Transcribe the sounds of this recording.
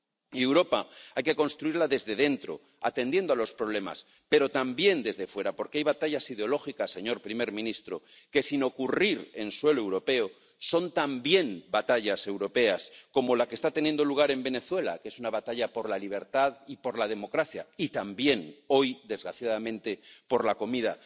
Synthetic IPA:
e̞wɾo̞paajke̞ko̞nst̪ɾuiɾlaðe̞zðe̞ð̞e̞nt̪ɾo̞̰ | a̰t̪ẽ̞nd̪je̞nd̪oalo̞spɾo̞β̞le̞ma̰s | pe̞ɾo̞t̪ambje̞nd̪e̞zðe̞fwe̞ɾapo̞ɾkeajβat̪aʎasið̞eo̞lo̞xikasːe̞ɲo̞ɾpɾime̞ɾmĩnist̪ɾo̞ | ke̞sino̞kuriɾe̞nswe̞lowɾo̞pe̞o | so̞nt̪ambje̞nbat̪aʎase̞wɾo̞pe̞asko̞mo̞lake̞st̪at̪e̞njend̪o̞luɣ̞aɾe̞mbe̞ne̞θwe̞la̰ke̞sunaβat̪aʎapo̞ɾlaliβ̞e̞ɾt̪aðipo̞ɾlaðe̞mo̞kɾaθja̰it̪ambje̞no̞jd̪e̞zɣɾaθjaðamẽ̞nt̪e̞po̞ɾlako̞mið̞a

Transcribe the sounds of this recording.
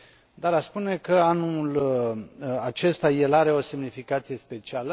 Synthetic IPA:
d̪aɾaspune̞kəanul | at͡ʃe̞st̪aje̞laɾe̞o̞se̞mnifikat̪sije̞spe̞t͡ʃialə

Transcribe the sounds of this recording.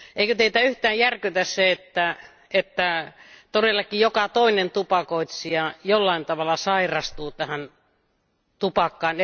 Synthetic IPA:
eikøt̪eit̪æyht̪æːjjærkyt̪æsseet̪ːæ | et̪ːæt̪orelːɑkːijjokɑt̪oinent̪upɑkoˑit̪siɑjolːɑint̪ɑʋɑlːɑsɑirɑst̪uːt̪æhæn | t̪upɑkːɑːn

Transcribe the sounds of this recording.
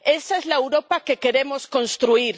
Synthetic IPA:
e̞saezlaewɾo̞pake̞ke̞ɾe̞mo̞sko̞nst̪ɾuiɾ

